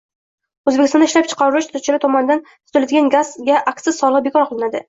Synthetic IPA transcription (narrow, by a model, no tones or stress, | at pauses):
ɵzbekʲɪst̪ɒnd̪ɪʃlap̚t͡ʃʰɨ̥qʰɑɾɪlɪʃt̪ʰʊt͡ʃʰɪɾɪt̪ʰɒmɒnɪd̪ant̪ʰʊt̪ɪlad̪ɪɡʲanɡaz̥ɡʲaʔaksɪzsɒlˠɨqbe̞kʰɒɾqʰɨlˠɪnad̪ɪ